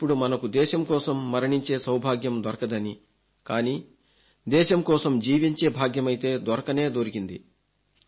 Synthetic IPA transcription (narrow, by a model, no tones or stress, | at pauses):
pːuɽumɐnɐkud̪ɛːʃɐmkɔːsɐmːɐɾɐɳiɲt͡ʃe̞ːsɐwbʱaːɡjɐmd̪ɐɾɐkɐd̪ɐni | kaːniː | d̪ɛːʃɐmkɔːsɐmd͡ʒiːʋiɲt͡ʃe̞ːbʱaːɡjɐmɐjit̪e̞ːd̪ʋɐɾɐkɐne̞ːd̪oːɾikind̪i